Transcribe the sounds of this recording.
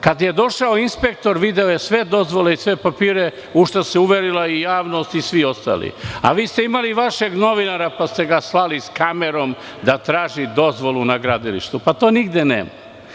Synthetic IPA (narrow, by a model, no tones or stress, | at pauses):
kad̪jed̪o̞ʃaoinspe̞k̚t̪o̞ɾʋid̪e̞ojesʋe̞d̪o̞zʋo̞le̞isʋe̞papiːɾe | uʃt̪aseuʋeɾilaijaːʋno̞st̪isʋio̞st̪a̰ːlḭa̰ʋiːst̪eimaliʋaʃeɡno̞ʋinaɾapast̪e̞ɡaslˠaliskameɾo̞m | d̪at̪ɾaːʒid̪o̞zʋo̞lˠunaɡɾad̪ilḭʃt̪upat̪o̞ːniɡd̪enḛːma